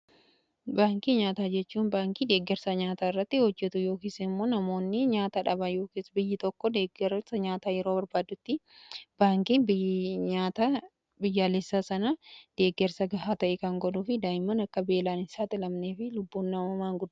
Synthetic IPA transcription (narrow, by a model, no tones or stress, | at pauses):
baːŋkiɲaːt̪aːd͡ʒɛt͡ʃːuːnbaːŋkiːd̪e̞ːɡːɛɾsɐɲaːt̪aːɪrːɐt̪ːɪhɔd͡ʒːɛt̪ʊjo̞ːkiːsɛɪmːoːnɐmo̞ːnːɪɲaːt̪ɐᶑɐbɐjoːkiːsbɪjːɪt̪ɔkːɔd̪eːɡɛɾsɐɲaːt̪aːjɛɾoːbɐɾbaːd̪ʊt̪ːɪb̥aːŋkiːnbɪɲaːt̪a | bɪjːaːlɛsːaːsɐnɐd̪̥e̞ːɡːɛɾsɐɡɐɦaːt̪ɐʔɛkɐŋɡɔᶑuːfɪd̪aːjɪmːɐnɐkːɐbe̞ːlaːnɪsaːt̪ʼɪlɐmneːfɪlʊbːuːnːɐmɐmaːŋɡʊd̪ː